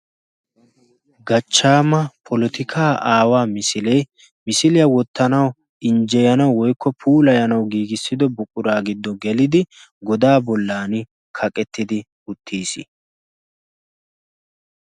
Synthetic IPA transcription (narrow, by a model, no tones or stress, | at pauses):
ɡɐt͡ʃːaːmɐpʰɔlɔt̪ɪkʰaːʔaːwaːmɪsɪlɛj | mɪsɪlɪjɐwɔt̪ːɐnɐw | ɪnd͡ʒɛjɐnɐwwɔjkːɔpʰuːlɐjɐnɐwɡiːɡɪsːɪd̪ɔbʊkʼʊɾaːɡɪd̪ːɔɡɛlɪd̪ɪ | ɡɔd̪aːbɔlːaːnɪ | kʰɐkʼɛt̪ːɪd̪ɪ | ʊt̪ʰːiːsɪ̰